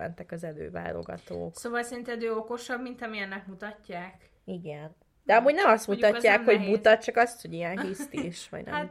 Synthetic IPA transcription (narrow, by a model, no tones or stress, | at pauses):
ɛ̰nt̪ɛkɒzɛlø̰ːva̰ːlo̞̰ɡɒ̰t̪o̰ːksoːvɒlsɛɾint̪ɛd̪øːoko̞ʃɒbmint̪ɒmiɛnːɛkmut̪ɒcːaːk | iɡɛn | d̪̥ɛɒmuːɟnɛmɒst̪mut̪ɒcːaːkho̞ɟmut̪ɒt̪̚t͡ʃɒkɒst̪ho̞ɟijɛnɦist̪iʃʋɒ̰ɟnɛ̰m